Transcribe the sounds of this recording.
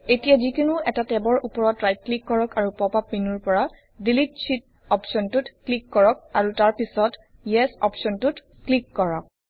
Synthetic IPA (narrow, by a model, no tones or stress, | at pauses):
etijazikunuɛtatɛbɔɹʔupɔɹɔtɹajt̚klikːɔɹɔkaɹupɔpapminuɹpɔɹa | dilitsit̚ | ɔpsɔntutklikːɔɹɔk̚aɹutaɹpisɔt | jɛsɔ̰psɔntut | klikːɔɹɔk̚